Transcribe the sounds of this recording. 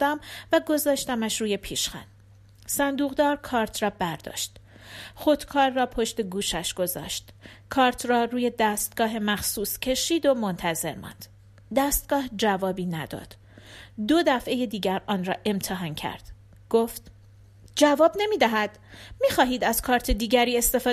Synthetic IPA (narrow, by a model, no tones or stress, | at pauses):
d̪æmvæɡo̞zɒːʃt̪æmæʃruːje̞pʰiːʃxæ̰n | sænd̪uːɣd̪ɒːɾkʰɒːɾt̪ʰrɒːbæɾd̪ɒ̰ːʃt̪ | χo̞d̪̥kʰɒːɾːɒːpʰo̞ʃt̪e̞ɡuːʃæʃɡ̥o̞zɒ̰ːʃt̪kʰɒːɾt̪ʰɾɒːruːje̞d̪æst̪̚ɡ̥ɒːɦe̞mæxsuːscʰe̞ʃiːd̪o̞mo̞nt̪ʰæze̞̰ɾmɒ̰nd̪̥ | d̪æːst̪̚ɡ̥ɒːhd͡ʒævɒːbiːnæd̪ɒ̰ːd̪̥ | d̪o̞d̪æfʔe̞je̞d̪iːɟæɾʔɒːnrɒːʔe̞mt̪ʰeɦɒːncʰæ̰ɾd̪̥ | ɡ̥oft̪ | d͡ʒævɒːbne̞miːd̪æɦæd̪̥ | miːχɒːɦiːd̪æz̥kʰɒːɾt̪ʰe̞d̪iːɟæɾiːe̞st̪e̞fɒː